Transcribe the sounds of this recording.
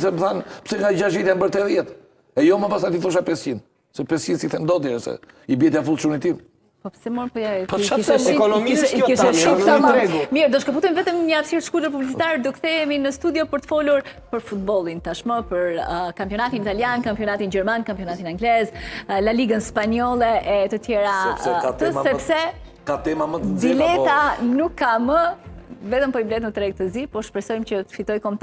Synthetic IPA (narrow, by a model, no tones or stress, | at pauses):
sɛbθanpsɛŋad͡ʒaʒvit̪jɛnbəɾt̪ɛðjɛt̪ | ɛjomapasant̪ifθɔʃ̬apɛsin | sɛpɛsinsiθɛnd̪ɔd̪jɛsɛ̰ | ibiɛt̪avulˠsunit̪im | pɔpsɛmɔɾpɔapɔʃaɛkɔnɔmiiʃɛuaɾɛɡumiɾd̪ɔʃkɔput̪ɛmivɛt̪əmɲəavsiɾʃkud̪əɾpublit͡sit̪aɾd̪ukθɛminəst̪ud̪jɔpəɾt̪ə̥fɔluɾpəɾfut̪̚bɔlˠint̪aʃməpəɾəkampjɔnat̪init̪aljankampjɔnat̪ind͡ʑɛɾmankampjɔnat̪inaŋɡlɛzlaliɡənspaɲɔlˠɛɛt̪ət̪jɛɾaɛɛat̪əsɛpsɛ | kat̪ɛmaməd̪ilɛt̪anukʰːaməvɛt̪əmpɔiblɛt̪mət̪ɾɛɡ̚t̪əzipɔʃpɾɛsɔjmt͡ɕət̪ə̥fit̪ɔjkɔmt̪